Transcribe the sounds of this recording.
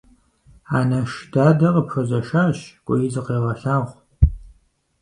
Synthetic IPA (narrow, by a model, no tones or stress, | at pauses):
aːnɐʃdaːdɐʁəpxɐzɐʃaːɕkʷʼɔjɪzɨqeːʁɐɬaːʁʷ